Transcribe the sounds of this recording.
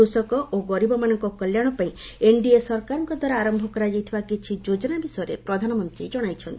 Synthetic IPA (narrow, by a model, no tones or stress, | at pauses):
usɔkɔʔoɡɔɾibɔmañɔŋkɔkɔljaɽ̃ɔpaĩeɳɖiesɔɾkaɾɔŋkɔd̪waɾaaɾɔmbʱɔkɔɾad͡ʒajt̪ʰibakit͡ʃʰid͡ʒod͡ʒɔnabisɔjɔɾepɾɔd̪ʱanɔmɔnt̪ɾid͡ʒɔɽ̃ajt͡ʃʰɔnt̪i